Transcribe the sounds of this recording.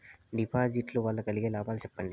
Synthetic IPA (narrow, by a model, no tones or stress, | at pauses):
ɖipʰaːd͡ʒiʈluʋaːɭːɐkɐliɡeːlaːbaːlt͡ʃɛpːɐɳɖi